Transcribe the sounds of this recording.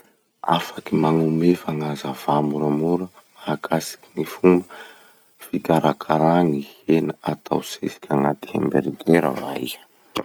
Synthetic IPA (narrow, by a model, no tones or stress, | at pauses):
a̰fakimaŋumefaŋazav̥amuɾamuɾə | akʰasi̥ki̥nifumbə | fikaɾʔakʰaɾanihenəat̪ʰa̰wsesi̥kʲʰaŋat̪i̥hḛmbeɾid̪leɾa̰vaḭ̥